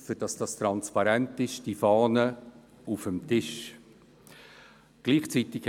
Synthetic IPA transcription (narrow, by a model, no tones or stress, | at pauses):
sədɑsd̥ɑstɾɑnspɑɾɛntɪʃd̥ifɑːnə | ufəmtɪʃ | ɡ̥liːχt͡siːtɪk